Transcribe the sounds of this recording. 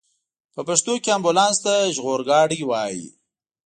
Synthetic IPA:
pəpaʂt̪okeambulɑnst̪aʒɣoɾɡɑɽiwɑjḭ

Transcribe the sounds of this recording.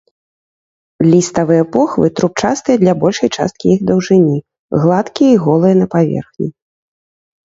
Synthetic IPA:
lʲist̪ɐvɨjɐpɔxvɨ̰t̪ɾup̚t͡ʂast̪ɨjɐd̪lʲɐbɔlʲʂɐjt͡ʂa̰st̪̚kʲijiɣd̪ɐwʐɨnʲi | ɣlˠat̪kʲijɐiɣɔlˠɨjɐnɐpavʲɛ̰rxnʲi

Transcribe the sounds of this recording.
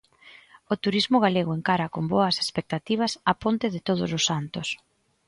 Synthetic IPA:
ot̪uɾizmʊɣ̞aleɣoeŋkaɾɐkomboɐse̥spek̚t̪at̪iβ̞ɐsɐpont̪ɪðɪt̪oð̞ʊsʊsːant̪ʊs

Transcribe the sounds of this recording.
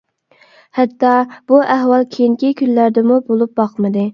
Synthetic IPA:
hɛt̪ʰːɑb̥uʔæɦwɑlˠkʲʰejiŋkʲikʲyllæɾd̪ɪmubolˠup̚bɑqmɨd̪ɨ

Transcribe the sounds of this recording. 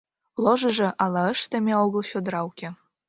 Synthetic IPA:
loʒɤ̆ʒɤ̆ʔɑlˠɑə̆ʃt̪ĕmʲeoɣə̆lˠɕod̪ɾɑwukʲĕ

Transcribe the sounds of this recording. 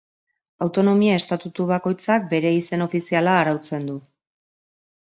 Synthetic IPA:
awt̪o̞no̞miae̞st̪at̪ut̪uβ̞ako̞jt͡sak̚be̞ɾe̞ise̞no̞fisialaːɾawt͡se̞nd̪u

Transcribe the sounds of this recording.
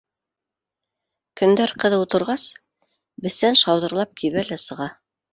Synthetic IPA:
kɵ̆nd̪æɾqɤ̆ðɤut̪ɤ̆ɾʁɑs | bɘ̆θːænʃɑwðɤ̆ɾlˠɑp̚kʰiβælæsɤ̆ʁɑ

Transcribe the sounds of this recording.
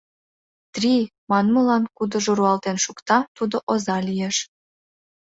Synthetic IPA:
t̪rʲimɑnməlɑnkud̪ə̆ʒoɾuɑlt̪enʃukt̪ɑt̪ud̪oʔozɑlijeʃ

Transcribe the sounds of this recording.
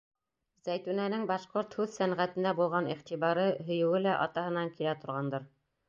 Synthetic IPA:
zæjt̪ʉnænɘŋbɑʃqoɾt̪hʉðsænʁæt̪ɘ̆nd̪æbulˠʁɑniχt̪iβɑɾɤɦɵ̆jɘ̆wɘlæʔɑt̪ɑhɤ̆nɑŋkilæt̪ŏɾʁɑnd̪ɤɾ

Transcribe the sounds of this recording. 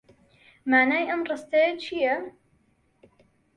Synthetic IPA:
maːnaːjʔɐmrˤɨst̪ɐjɐt͡ʃʰijɐ

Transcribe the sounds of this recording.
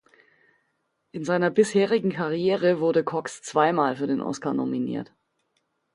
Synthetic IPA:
ʔɪnzaɪnɐbɪsheːʁɪɡŋ̩kʰaʁijeːʁ̞əvʊɐdəkʰɔkst͡sv̥aɪmaːlfyːɐdeːnʔɔ̰skaːɐno̰minḭːɐt

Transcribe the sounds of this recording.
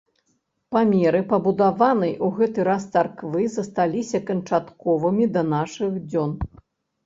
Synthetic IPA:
pamʲɛɾɨpɐbud̪avanɐjuɣɛt̪ɨɾast̪sarkvɨzɐst̪alʲisʲɐkɐnt͡ʂat̪kɔvɐmʲid̪ɐnaʂɨɣd͡zʲɔn

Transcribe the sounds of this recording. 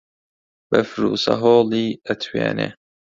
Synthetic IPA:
bəfɾuːsɐ̰ɦoːliːət̪ʰwḛːnḛ

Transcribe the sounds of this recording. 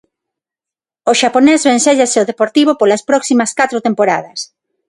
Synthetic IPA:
oʃaponezβẽnseʎaseoðepoɾt̪iβ̞opolaspɾɔksimɐskat̪ɾot̪empoɾað̞ɐs

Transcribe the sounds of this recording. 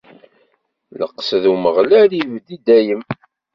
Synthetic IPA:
lə̰qːsðuməʁlælivd̪id̪æjəm

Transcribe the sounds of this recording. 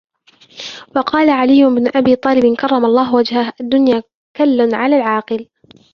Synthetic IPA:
wɑqɑːlaʕalɪjːʊɪbnʊʔabiːt̪ˤɑːlɪbɪnkɑrˤːɑmɑlˤːɑːɦwad͡ʒhahʔad̪ːʊnjaː | kalːanʕalaːlʕɑːqɨl

